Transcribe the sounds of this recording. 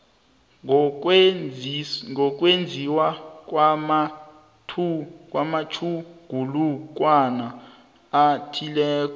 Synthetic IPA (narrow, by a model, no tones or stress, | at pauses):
ŋʱɔk̬ʼwend͡zʱiwakwma | tʰuk̬ʼwamat͡ʃʰuɡ̥ʱuluk̬ʼwana | atʰilɛːk̬ʼɔ